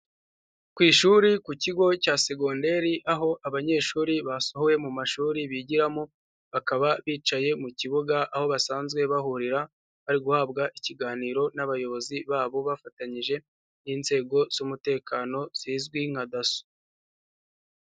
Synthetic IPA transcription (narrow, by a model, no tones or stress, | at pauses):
kwiːʃuːɾikuciɡo̞caːse̞ɡonde̞ɾiʔaɦo̞ʔaβaɲe̞ːʃuːɾiβasohoje̞mumaʃuːɾiβiɟiɾamo | βakaβaβiːt͡ʃaje̞muciβuɡaʔːho̞βasaːnzɡwe̞βahuɾiɾa | βaɾiɡuhaːb̚ɡaʔiciɡaːniːɾo̞naβajo̞βo̞ziβaːβo̞βafataɲiʒe̞ | inze̞ːɡo̞z̥umute̞ːkaːno̞z̥iːzɡwiŋ̥hadaso̥